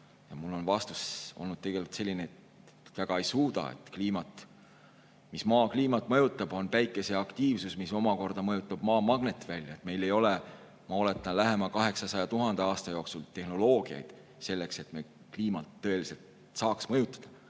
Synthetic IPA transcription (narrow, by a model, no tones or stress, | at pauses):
jɑmulːo̞nvɑst̪uso̞lnud̪̥t̪ːe̞ɡ̥e̞lʲut̪se̞lʲːineet̪ | væɡ̥ɑe̞jsuːd̪ɑ̰ḛt̪kliːmɑt̪ˑ | mismɑːkliːmɑt̪ːˑmɤjut̪ːˑɑb̥o̞npæjkːˑe̞se̞ɑkt̪iːvsusmiso̞mɑko̞rd̪̥ɑmɤjut̪ːˑɑb̥mɑːmɑɡ̥net̪ːvælʲːjɑet̪me̞jle̞jo̞le | mɑo̞le̞t̪ːˑɑnlæɦe̞mɑkɑɦe̞ksɑsɑjɑt̪uɦɑnd̪̥eɑːst̪ɑjo̞ːksult̪e̞hno̞lo̞ːɡ̥iɑ̰jd̪̥ | se̞lːe̞kse̞t̪me̞ | kliːmɑt̪ːɤ̞e̞lise̞lt̪ | sɑːksmɤjut̪ːˑɑ̥d̪̥ɑ̥